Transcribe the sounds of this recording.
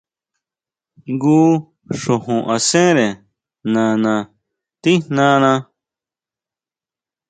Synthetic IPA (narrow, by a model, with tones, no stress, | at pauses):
ŋɡuː˦ | ʂõ˨ɦũ˨ʔa˨sẽ˦ɾe˨ | nã˨nã˧ | t̪i˦nnã˦nã˧